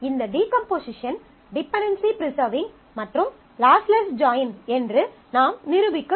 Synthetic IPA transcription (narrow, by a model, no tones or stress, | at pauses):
ɪnd̪ɐɖiːkɐmpoːsɪʂɐn | ɖɪpːɛɳɖɐnsipɾɪsɐːɾʋɪ̃ŋ | mɐʈrɯm | laːslɐsʈd͡ʒaːjnɛndrɯ | naːmnɪɾɯʋɪkːɐ